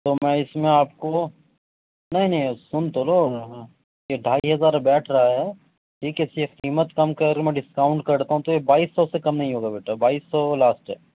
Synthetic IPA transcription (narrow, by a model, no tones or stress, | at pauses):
t̪oːmɛ̃ɪsmẽaːp̚ko | nɐɦĩnɐɦĩsʊnt̪olõː | jeɖʱaːiɦɐzaːɾbɛːʈʰɾɐɦaɦɛː | ʈʰiːkɛseqiːmət̪kɐmkɐmɛ̃ɖɪskaːʊ̃ɳʈ̚kɐɾt̪aɦũt̪ojebaːiːsːɔsekɐmnɐɦĩɦoːɡabeːʈabaːiːsːɔːlaːsʈɛ̰ː